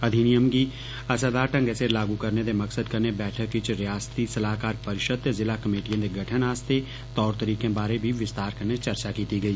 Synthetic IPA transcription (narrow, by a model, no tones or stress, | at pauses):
ɐd̪ʱinijəmɡi | ɐsad̪aːʈə̃ŋɡɛselaːɡukɐɾned̪emɐksəd̪kɐɾnebɛːʈʰəkːit͡ʃɾɪjaːst̪isɐlaːkaːɾpɐɾɪʃəd̪zɪlakɐmeːʈijãd̪eɡʱɐʈʰənaːst̪ʰe | t̪ɔːɾt̪əɾiːkẽbaːɾebʱiʋɪst̪aːɾkɐɾnet͡ʃɐɾt͡ʃakiːt̪iɡɐiː